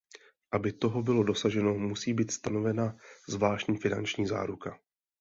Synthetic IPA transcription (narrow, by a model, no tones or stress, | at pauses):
ʔabɪt̪o̞ɦobɪlo̞do̞saʒɛno̞musiːbiːt̪st̪anovɛnazvlaːʃcɲiːfɪna̰nt͡ʃɲiːza̰ːɾuka